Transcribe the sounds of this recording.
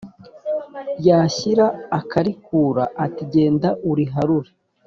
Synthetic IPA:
jaːçiɾaːkʰaɾikuːɾaʔːtiɟe̞ːndaʔuɾiɦaɾuɾe

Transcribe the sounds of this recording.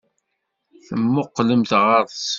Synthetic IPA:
θəmːʊqːləmθʁɑɾˤs

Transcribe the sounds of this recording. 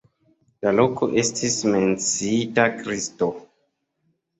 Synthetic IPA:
lalo̞ko̞ʔe̞stʰisme̞nt͡siitakɾisto̞

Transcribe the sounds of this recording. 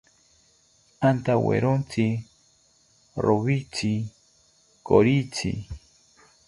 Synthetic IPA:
ant̪awḛɾont͡si | ɾʔoβit͡si | koɾit͡sḭ

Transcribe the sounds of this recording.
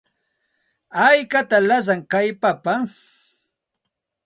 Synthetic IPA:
ajkat̪alas̬aŋkajpapa

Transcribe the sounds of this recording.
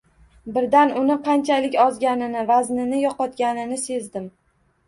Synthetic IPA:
bɪɾd̪anʊnɪqʰɑnt͡ʃʰalɪkʲɒzɡʲanɪnɪvaznɪnɪjɒqɒt̪ɡʲanɪnɪse̞zd̪ɪm

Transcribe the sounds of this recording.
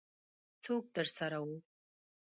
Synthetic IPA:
t͡sʰoɡ̚dɨrsaɾawu

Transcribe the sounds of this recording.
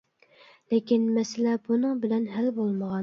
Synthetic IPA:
lekʲinmɛsɪlɛbunɨŋbɪlɛnɦælbolˠməʁɑ

